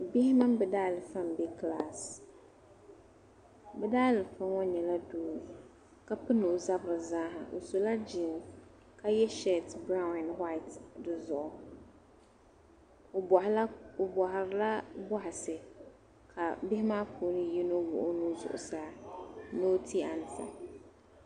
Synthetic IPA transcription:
bɪ˦hɪ˦ma˦m˦bɨ˨daː˦˨lɨ˨fa˦mbɛ˦kla˦˨s | bɛ˦daː˦lɨ˨fa˦ŋɔ˦ɲɛ˨la˦duː˦ | ka˦pɨ˦nʊ˨za˦bɨ˨ɾɨ˨zaː˦ɦa˨ʔo̰˨so˨la˦d͡ʒi˨n | ka˦jɛ˦ʃɛ˦˨tbɾa˦ʊnɛ˨nha˦ɪ˨tdɨ˨zʊ˨ʔʊ˦˨ | bhɪ˨ɾla˦bɔ˦ɦɪ˨sɨ˨ | kʰa˨bɪ˦hɪ˦maː˦pʰo˨˦nɨ˦ji˦no˦wʊ̰˨ʔʊ˦nu˦zʊ̰˨ʔʊ̰˨saː˦no˦tʰi˦a˨n˨sa̰˨

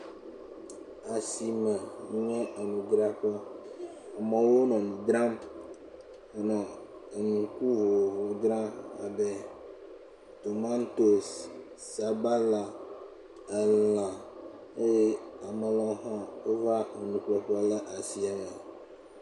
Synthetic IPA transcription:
a˨si˨mə˨˦ɲɛ̃˦ʔə˨nũ˨ɡɾa˦ɸə˦ | a˨mə˨wo˦nɔ̃˨nũ˨d̪ɾã˦m˦ | nɔ̃˨e˨nũ˨ku˦vo˨vo˨d̪ɾã˦a̰˨be˦ | t̪o˨ma˦n˦t̪o˨s | sa˨ba˦la˨ | ə˨la˨ | e˦je˦a˨mə˨lɔ̃˦ɦɔ̃˦e˦va˦ə˨nũ˨k͡plɔ˨ɸə˦lə˦ʔa˨si˨a˨mɛ˨

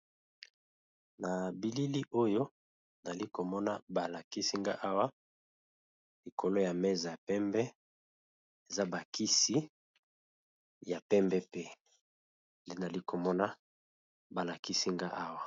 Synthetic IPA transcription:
na˨bi˨li˦li˦ʔo˦jo˦ | na˨li˦ko˨mɔ˦na˦ba˨la˨ki˦si˦ŋɡa˦ʔa˦wa˦ | li˨kʰo˨lo˦ja˨mɛ˦za˨ja˨pɛ˦mbɛ˦ | e˨za˦ba˨ki˦si˦ | ja˨pɛ˦mbɛ˦pe˦ | nde˦na˨li˦ko˨mɔ˦na˦ | ba˨la˨ki˦si˦ŋɡa˦ʔa˦wa˦

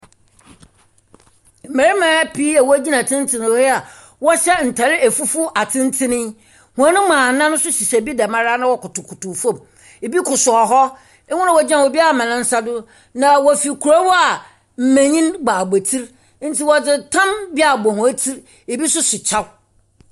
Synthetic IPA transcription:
m̩˨mæ̃˨ɾi˦mãː˨˦piː˦a˨wɔ˦æ˦d͡ʑi˦nã˨tʰɪ̃˦n˦tʰɪ˦ñ˨˦ɛ˦a˨ | wɔ˦ɕɛ˦n̩˨tʰa˨ɾɪ˦ʔæ˨fu˦fʊ˦a˨tʰɪ̃˦n˦tʰɪ̃˦nɪ̃˦ | hʊ̃˨a˦nʊ̃˦mãː˨˦nã˦nʊ̃˦sʊ˦ɕi˨sa˨bi˦dɛ˨mã˦ɾa˦nã˦wɔ˦kʊ˨tʊ˨kʰʊ˨tʊ˨fo˦˨m | e˨bi˦kʰʊ˨sʊ˨ɔ˨ɦɔ˦ | ɛ˦ŋʊ̃˦nã˦wɔ˨d͡ʑã˦˨wɔ˨bi˦a˨mã˨nɪ̃˦n̩˦sa˦dʊ˦ | nã˨wɔ˨fi˨kʰu˨ɾa˦wɔ˦a˨ | m̩˨mæ̃˨ɲĩ˦nɡ͡baː˨be˨tʰi˦ɾ | n̩˦tʰi˨wɔ˨d͡zɪ˨tʰã˦mbi˦a˨bɔ˨hʊ̃˨æ˦tʰi˦ɾ | e˨bi˦sʊ˦sɪ˨t͡ɕʰa˦w

